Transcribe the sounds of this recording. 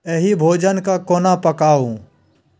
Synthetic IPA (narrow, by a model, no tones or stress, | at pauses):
eɦibʱoːd͡ʒənkaːkoːnaːpəkaːũː